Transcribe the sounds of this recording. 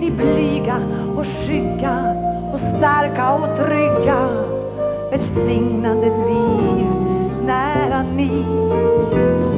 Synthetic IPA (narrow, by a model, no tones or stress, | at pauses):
nɪblyɡa | ɔʂʏkːa | ɔst̪æɾkaɔt̪ʰɾʏɡa | vɛlsɪŋnad̪əni | næːɾani